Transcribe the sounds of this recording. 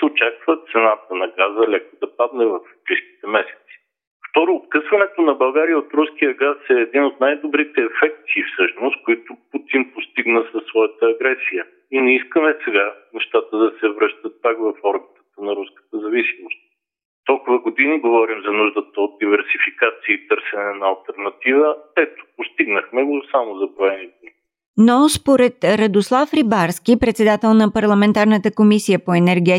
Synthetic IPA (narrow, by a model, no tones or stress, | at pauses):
ot͡ʃakvət̪t̪sɛnat̪ənɐɡazəlʲɛkod̪ɐpad̪nɛvɐfbɾiʃk̟i̥t̪ɛmɛsɛ̥t̪si̥ | ft̪ɔɾʊːt̪̚kɤsvɐnɛt̪onɐbɐlˠɡaɾijəot̪ɾusk̟ijəɡasɛːd̪inot̪najd̪obɾit̪ɛːfɛk̚t̪ifsɤʃnʊst̪̚koit̪ʊput̪inpost̪iɡnəsɐsːvɔjət̪əːɡɾɛsijə | inɛiskəmɛsɛɡanɛʃt̪at̪əd̪ɐsɛvɾɤʃt̪ət̪̚pakvɐfɔɾbit̪ə̥t̪ənɐɾuskə̥t̪əzɐvisimost̪̚ | t̪ɔlˠkʊvəɡod̪iniɡovɔɾimzɐnuʒd̪ət̪əot̪̚d̪ivɛɾsifikat̪siəit̪ɤɾsɛnɛːnɐɐlˠt̪ɛɾnɐt̪ivəɛt̪o̥post̪iɡnəxmɛɡosamozɐbɾoɛnid̪ni | nospoɾɛt̪ɾɐd̪oslˠafɾibaɾsk̟ʲipɾɛt̪sɛd̪at̪ɛlˠnɐpɐɾlˠɐmɛnt̪aɾnət̪əkomisijəpoɛnɛɾɡʲɛ